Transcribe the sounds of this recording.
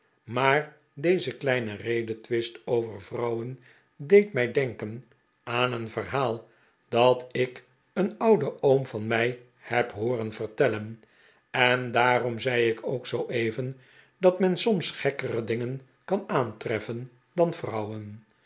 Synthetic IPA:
maːr | dejzəklɛjnərejdətʋɪstowvərvrʌwən | dejtmɛjdɛŋkən | ʔaːnənvərɦaːlˠ | d̥ɑtɪk | ənʌwdəʔowmvɑnmɛj | hɛpɦoːrənv̥ərtɛlən | ɛndaːrɔmzɛjɪkʰoʊksowʔejvən | d̥ɑtmɛnsɔmsχɛkərədɪŋən | kɑnaːntrɛfən | dɑnv̥rʌwən

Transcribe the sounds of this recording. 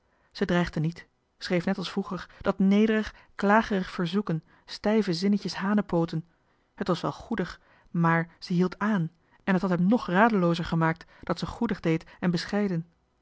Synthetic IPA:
z̥ədrɛjχdənit | srejfnɛtɑlˠsfruχəɹd̥ɑtnejdərəχ | klaːχərəχfəɹzukən | stɛjvəzɪnəcəsɦaːnəpowtən | ɦətʋɑsʋɛ̰lˠχudəχ | maːɹz̥əɦilˠtʰaːn | ɛnɦətɦɑtɦɛmnɔχraːdəlowzəɹχəmaːk̚td̥ɑtsəχudəχdejtɛnbəsχɛjdən

